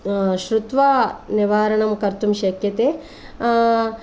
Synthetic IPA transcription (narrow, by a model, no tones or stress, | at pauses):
ʃɾut̪ʋaniʋaːɾɐɳɐmkɐɾt̪umʃɐkjɐt̪e